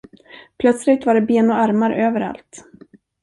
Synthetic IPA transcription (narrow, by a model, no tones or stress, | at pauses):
pʰlœt̪slɪt̪vaɖɛbeːnɔaɾmaɾøːvəɾa̰lt̪